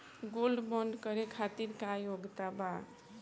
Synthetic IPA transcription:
ɡolɖbɔɳɖkəɾekʰat̪iɾkajoɡt̪aba

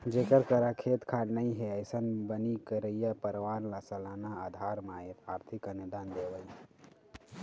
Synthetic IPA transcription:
d͡ʒekəɾkəɾakʰet̪kʰaɖnəjɦeəɪsənbənikəɾəjapəɾʋanlasəlanaad̪ʱaɾmaet̪ʰaɾt̪ʰikəned̪and̪eʋəj

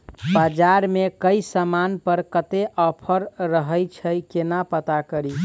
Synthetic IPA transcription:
bad͡ʒaɾmekəisəmanpəɾkət̪eʔɔpʰəɾɾəɦəjt͡ʃʰəjkenapət̪akəɾi

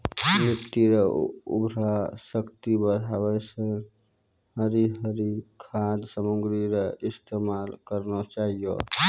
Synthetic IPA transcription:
bjəkt̪iɾeṵbʱɾasəkt̪ibəd̪ʱabəsə̃ | ɦəɾiɦəɾikʰad̪səmuŋɡɾiɾəist̪emalkəɾnɔt͡ʃaɦijɔ̰

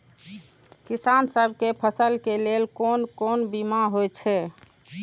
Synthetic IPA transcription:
kisansəbʱkepʰəsəlkelelkonkonbimaɦojt͡ʃʰɛ

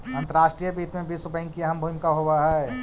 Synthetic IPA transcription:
ɐ̃nt̪əɾaːʃʈɾiːjəbiːt̪mẽbiːsɾʊpəĩkiɛɦəmbʱuːmkaɦoːaɦaɦɛː

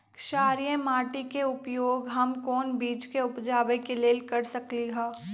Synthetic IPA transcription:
kʃaːɾijəmaːʈikeʊpjoːɡɦɐmkɔːnbiːt͡ʃkeʊpd͡ʒaːʋekeleːlkɐɾsɐkliɦoː

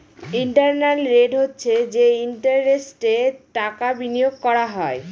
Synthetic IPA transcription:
iɳʈaɾnalɾeɖɦotːɕʰed͡ʑeiɳʈaɾɾesʈeʈakabinijoɡ̚kɔɾaɦɔe

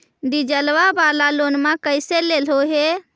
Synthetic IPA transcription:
ɖid͡ʒəlʋabalalonmakəjselelɦoɦe

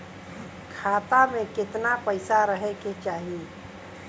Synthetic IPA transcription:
kʰaːt̪amẽkɪt̪napəɪsaɾəɦeket͡ʃaːɦie

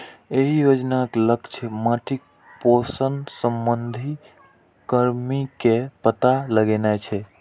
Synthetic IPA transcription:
eɦijod͡ʒnakləkt͡ʃʰəmaʈik̚ | posənsəmbənd̪ʱi | kəɾmikepət̪aləɡenajt͡ʃʰɛ

